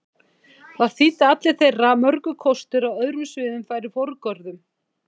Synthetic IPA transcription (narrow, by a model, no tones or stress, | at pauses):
θaðθit̪at̪lɪ̥θejramœɾkʏkʰɔst̪ʏɾawœðɾʏmsvɪːðʏmfaːjɾɪfɔɾkœɾðʏm